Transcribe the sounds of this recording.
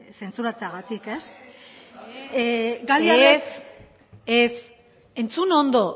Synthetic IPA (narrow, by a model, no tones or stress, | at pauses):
se̞nt͡suɾat͡seaɣat̪ike̞s | ɡaliaees | es | e̞nt͡suno̞nd̪o̞